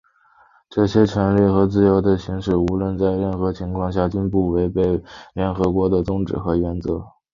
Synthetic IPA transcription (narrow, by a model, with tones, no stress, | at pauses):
ʈ͡ʂɤ˥˩ɕjɛ˥ʈ͡ʂʰɤ˧˥nli˥˩xɤ˧˥t͡sɹ̩˥˩jo˧˥ʊd̪ə˨ɕi˧˥ŋʂɻ̩˥˩u˧˥lwə˥˧nt͡sa˥˧ɪɻə˥˩nxɤ˧˥t͡ɕʰi˧˥ŋkʰwɑ˥˧ŋɕ̬ja˥˩t͡ɕy˥npu˥˩we˧˥ɪpe˥˩ɪljɛ˧˥nxɤ˧˥kwɔ˧˥d̪ə˧˨t͡sʊ˥ŋʈ͡ʂɻ̩˨˩xɤ˧˥ɥɛ˧˥nt͡sɤ˧˥